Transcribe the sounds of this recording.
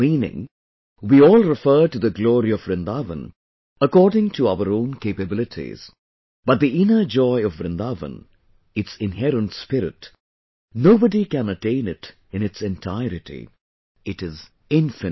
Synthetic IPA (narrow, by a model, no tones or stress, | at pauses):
mĩːnɪ̰̃ŋ | wiɔːlˠɹɪfə˞ʈud̪əɡlɔːɾiɔvɾɨ̃nd̪avə̰̃n | əkɔːdɪ̃ŋtʰuaʊəɾõʊ̃nkeɪpɨbɪlɨtʰḭz̥ | b̥ʌt̪̚d̪iɪnə˞d͡ʒɔɪʌvːɾɨ̃nd̪avə̰̃n | ɨtsɪ̃nhɛɾə̃ntspɪɾɪ̰t | noʊbədikæ̃nətẽɪ̃nɪt | ɨ̃nɨtsɛ̃ntʰaɪɾɨtʰḭ | ɪtɪz | ɪ̃ɱfɨ